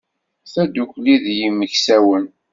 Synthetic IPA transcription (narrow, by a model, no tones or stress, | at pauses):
θæd̪ukʷliðjimːəçsæwən